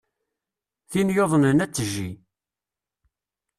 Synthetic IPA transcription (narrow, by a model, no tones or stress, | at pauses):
θinjoðˤənənæt͡sːəʒːi